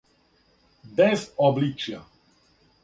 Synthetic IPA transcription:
bɛzɔblʲit͡ʂja

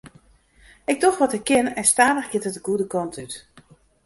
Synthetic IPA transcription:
ɪk̚dɔxʋɔtəkːɪnɛnstaːdəxɡɪtətəɡudəkɔntʰyt

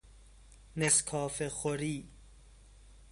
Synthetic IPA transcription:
neskʰɒːfeχoɾiː

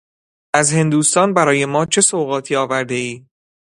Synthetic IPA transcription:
ʔæzhe̞nd̪uːst̪ɒːnbæɾɒːje̞mɒːt͡ʃʰe̞soːɣɒːt̪ʰiːɒːvæɾd̪e̞iː

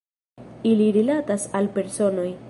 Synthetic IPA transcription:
iliɾilatasalpe̞ɾso̞no̞j

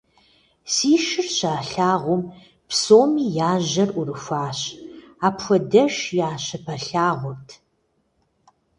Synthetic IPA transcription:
siːʃɪrɕaːɬaːʁʷʊm | psoːmiːjaːʑɐrʔʷʊrɨxʷaːɕaːpxʷɔdɐʃjaːɕɐpʰɐɬaːʁʷʊrtʰ

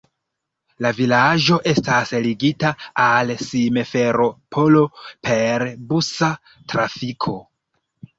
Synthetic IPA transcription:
lavilad͡ʒo̞ʔe̞stasliɡitaalsimefe̞ɾo̞pʰo̞lo̞pʰe̞ɾbusa | tɾafikʰo̞

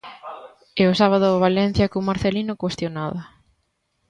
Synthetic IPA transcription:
eʊsaβaðʊːβ̞alɛn̟θjɐkumaɾθelinʊkwest̪jonaða

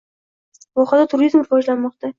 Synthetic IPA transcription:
vɒχad̪at̪ʰʊɾizmɾɪvɒd͡ʒlanmɒqt̪a

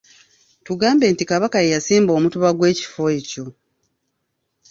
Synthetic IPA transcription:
tuɡaːmbe̞ːntikaβakajejasiːmbo̞ːmutuβaɡwe̞ːci̥fo̞e̞co̞

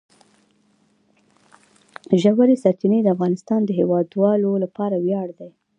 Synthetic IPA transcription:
ʒawaɾesaɾt͡ʃined̪əafɣɑnɪst̪ɑnd̪əɦewɑd̪wɑlolapɑɾawjɑɽd̪aj

